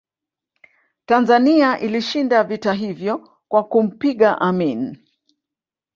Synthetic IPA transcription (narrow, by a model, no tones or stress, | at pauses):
tanzaniaʔiliʃindavitaɦivjɔ | kwakum̩piɠaʔamin